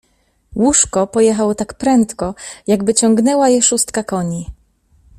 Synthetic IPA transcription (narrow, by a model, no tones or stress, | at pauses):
wuʂkɔpɔjɛxawɔt̪akpɾɛnt̪kɔjaɡbɘt͡ɕɔŋɡnɛwajɛʂust̪kakɔɲi